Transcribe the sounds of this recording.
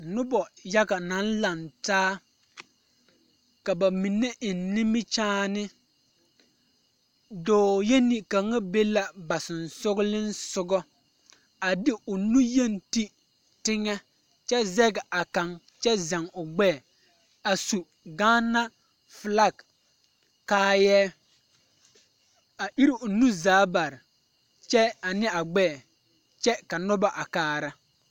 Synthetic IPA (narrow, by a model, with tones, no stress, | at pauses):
nʊ˦bɔ˨ja˦ɡa˨nã˨˦nla˨ntaː˦ | ka˨ba˨mi˨nːɛ˦ʔɪ˨nːi˦mɪ˦t͡ʃaː˦nɪ˦ | doː˨je˦ni˨ka˨ŋa˦be˦la˦ba˨sɪ˨nsʊ˦ɡlɪ˦nsʊ˦ɡɔ˦ | a˨dɪ˦ʊ˨nũ˦je˦nti˦ | tɪ˦ŋɛ˦ | t͡ʃɛ˦zɛ˦ɡa˨ka˨ŋ | t͡ʃɛ˦za˨ŋʊ˨ɡ͡bɛː˦˨ | a˨su˨ | ɡaː˦na˦ | fla˦ɡ | kaː˦jɛː˦ | a˨ʔi˦ɾi˦ʔʊ˨nu˦zaː˨˦ba˨ɾɪ˨ | t͡ʃɛ˦a˨nɪ˦a˨ɡ͡bɛː˦˨ | t͡ʃɛ˦ka˨nʊ˦ba˦ʔa˨kaː˦ɾa˦